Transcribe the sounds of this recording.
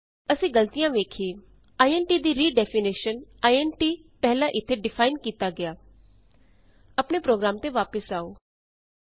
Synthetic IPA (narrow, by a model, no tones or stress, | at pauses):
əsĩːɡəlt̪ijãːʋeːkʰeː | aːiɛːnʈiːd̪iːɾiːɖɛːpʰɪnɪːʃənaːiɛːnʈiː | pɛɦlãːʔɪt̪ʰːeːɖɪpʰaːɪnkiːt̪aːɡɪjaː | əpɳeːpɾoːɡɾaːmt̪eːʋaːpəsaːoː